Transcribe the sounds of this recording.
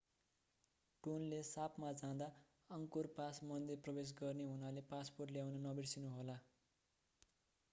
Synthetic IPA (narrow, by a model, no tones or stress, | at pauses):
ʈonlesapmad͡zãd̪a | ʌŋkorpasmʌnd̪iprʌbes̬ɡʌrneɦunalepasporʈljawnʌnʌbirsinuɦola